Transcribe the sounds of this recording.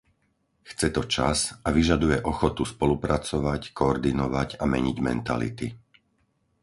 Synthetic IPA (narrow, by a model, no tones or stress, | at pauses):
xt͡sɛt̪ɔt͡ʃa̰saʋiʒad̪ujɛʔɔxɔt̪uspɔlupɾat͡sɔʋackɔːɾd̪inɔʋacamɛɲiɟmɛ̰nt̪a̰lḭt̪i